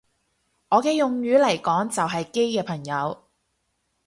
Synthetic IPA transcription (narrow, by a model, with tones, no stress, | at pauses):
ʔɔː˨˧kɛː˧jʊ˨ŋjyː˨˥lɐ˨˩jkɔː˨˥ŋt͡sɐ˨wɦɐ˨jke˥jkɛː˧pʰɐ˨˩ŋjɐ˨˧w